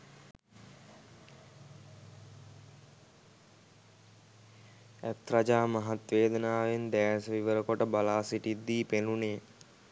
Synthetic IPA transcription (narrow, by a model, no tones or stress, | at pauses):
æt̪̚ɾad͡ʒaːmaɦat̪ʋeːd̪ənaːʋend̪æːsəʋiʋəɾəkoʈəbalaːsiʈid̪ːiːpeluneː